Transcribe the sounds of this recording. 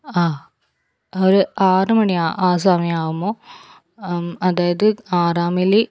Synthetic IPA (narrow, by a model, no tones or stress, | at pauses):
aː | oɾɨaːrɨmɐɳiaːʔaːs̬aːmiaːʋumoː | ɐðaːjɐðɨaːraːmili